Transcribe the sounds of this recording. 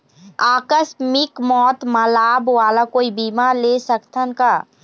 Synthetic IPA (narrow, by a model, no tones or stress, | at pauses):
aːkəsmɪkmɔːt̪məlaːbwaːlakoːibiːmaːɾlesəkt̪ʰənkaː